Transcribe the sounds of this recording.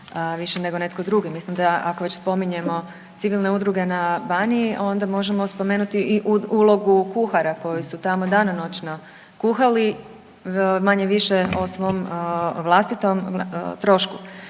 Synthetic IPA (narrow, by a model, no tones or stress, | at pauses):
ʋiʃene̞ɡo̞ne̞t̪ko̞d̪ɾuɡemislimd̪aakoʋe̞t͡ɕspo̞miɲe̞mo̞ | t̪siʋilˠne̞ud̪ɾuɡe̞nabaniiʔo̞nd̪amo̞ʒemo̞spo̞menut̪iʔiʔuulˠo̞ɡukuxaɾako̞jisut̪amo̞d̪anano̞t͡ʃno | kuxali | maɲe̞ʋiʃeosʋo̞ːmʋlˠast̪it̪o̞mt̪ɾo̞ʃku